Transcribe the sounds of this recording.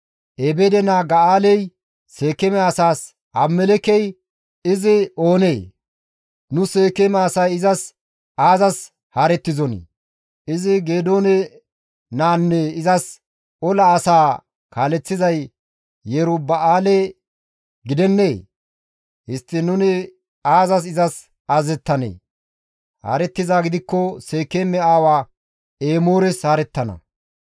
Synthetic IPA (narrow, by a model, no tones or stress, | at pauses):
ʔebed̪ɛnaːɡɐaːlɛj | se̞ːkɛmɛɐsaːs | ɐmːɛlɛkɛj | ɪzɪo̞ːneː | nʊseːkɛmɛːsɐjɪzɐs | ʔaːzɐs | haːɾɛt̪ːɪzɔnḭ | ɪzɪɡe̞ːd̪o̞ːnɛ | naːnːɛɪzɐs | ɔlɐːsaː | kaːlɛt͡sːɪzɐj | jeɾʊbɐaːle | ɡɪd̪ɛnːeː | hɪst̪ːɪnʊnɪ | aːzɐs̬ɪzɐs | aːzɛt̪ːɐnḛː | ha̰ːɾɛt̪ːɪzaːɡɪd̪ɪkːɔse̞ːkːeːmɛaːwaː | eːmo̞ːɾɛshaːɾɛt̪ːɐnɐ̰